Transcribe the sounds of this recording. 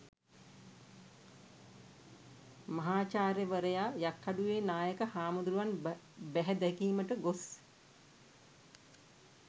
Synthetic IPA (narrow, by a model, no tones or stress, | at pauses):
mɐɦaːt͡ʃaːɾeʋəɾəjaːjakʰːaɖuʋeːnaːjəkəhaːmud̪ɾuʋan | bæɦɛd̪ɛkiːməʈəɡos